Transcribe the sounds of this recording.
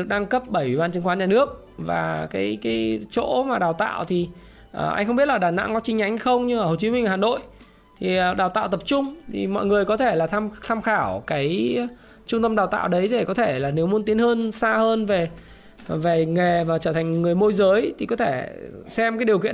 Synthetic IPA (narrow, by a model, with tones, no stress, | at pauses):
ɗɨ˨˩ək̚ɗa˧ŋkə˦˥p̚ɓə˧˩jwḭ˧˨ɓaː˧nt͡ɕɨ˨˦ŋkwa˨˦nɲaː˨˩nɨ˦˥ək̚ | va̰ː˨˩kaː˨˦jkaː˨˦jt͡ɕo̰˧˥maː˨˩ɗaː˨˩wt̪a̰ː˧˨wt̪ʰi˨˩ | ʔə˨˩ʔa˧ŋ̟xə˧ŋ͡mɓi˦˥ət̚laː˨˩ɗaː˧˩na̰˧˥ŋkɔ˨˦t͡ɕï˨˧˦ŋɲa˨˦jŋha˧jxə˧wŋ͡mɲɨ˧ŋʔa˧˩ho˨˩t͡ɕi˨˦mï˧ŋ̟va˨˩haː˨˩no̰˧˨j | t̪ʰi˨˩˨ɗaː˨˩wt̪a̰ː˧˨wt̪ə˨˩p̚t͡ɕʊ˧ŋ͡mt̪ʰḭ˨˩mɔ̰˧˨jŋɨ˨˩əjkɔ˨˦t̪ʰe˧˩laː˨˩˧t̪ʰaː˧mxaː˧˩wkaː˨˦j | t͡ɕʊ˧ŋ͡mt̪ə˧mɗaː˨˩wt̪a̰ː˧˨wɗə˨˦je˧˩kɔ˨˦t̪ʰe˧˩laː˨˩ne˨˦wmu˨˦ənt̪i˨˦ənhəː˧nsaː˧həː˧nve˨˩ | ve˨˩ŋe˨˩vaː˨˩t͡ɕəː˧˩t̪ʰa˨˩ŋ̟ŋɨ˨˩əjmo˧jzəː˨˦jt̪ʰi˨˩kɔ˨˦t̪ʰe˧˩sɛ˧mkaː˨˦jɗi˨˩əkḭ˧˨